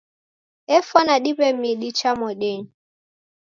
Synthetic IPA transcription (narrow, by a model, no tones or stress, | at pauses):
ɛfɔnaɗipɛmiɗit͡ʃamɔɗɛɲ̩